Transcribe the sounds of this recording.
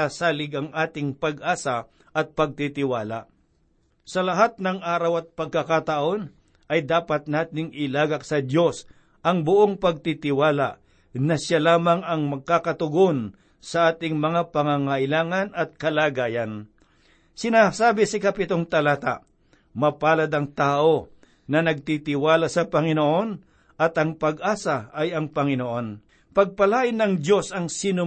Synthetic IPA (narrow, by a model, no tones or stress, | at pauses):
asaːlɪɡɐŋʔaːt̪ɪŋpɐɡʔaːsa | ʔɐt̪̚pɐɡ̚t̪it̪ɪwaːla̰ | sɐlɐɦat̪̚nɐŋʔaːɾɐwɐt̪̚pɐɡ̚kɐkat̪ɐʔo̞n | ʔɐjd̪aːpɐt̪̚naːt̪ɪŋʔɪlaːɡɐksɐd̪jo̞s | ʔɐŋbʊʔoŋpɐɡ̚t̪it̪ɪwaːla̰ʔ | nɐʃjalaːmɐŋɐŋmɐɡ̚kakɐt̪ʊɡon | sɐʔaːt̪ɪŋmɐŋapɐŋaŋɐʔɪlaːŋɐnɐt̪̚kɐlaːɡaːjɐn | sɪnaːsaːbɪsɐkɐpɪt̪oŋt̪ɐlaːt̪a̰ | mɐpaːlɐd̪ɐŋt̪aːʔo̞ | nɐnɐɡ̚t̪it̪ɪwaːlasɐpɐŋɪnoʔo̞n | ʔɐt̪ɐŋpɐɡʔaːsaɐjɐŋpɐŋɪnoʔo̞n | pɐɡ̚pɐlaːʔɪnːɐŋd̪jo̞sɐŋsɪnʊ